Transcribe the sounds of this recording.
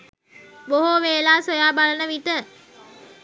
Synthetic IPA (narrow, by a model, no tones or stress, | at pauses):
boɦoʋeːlaːsojaːbalənəʋiʈə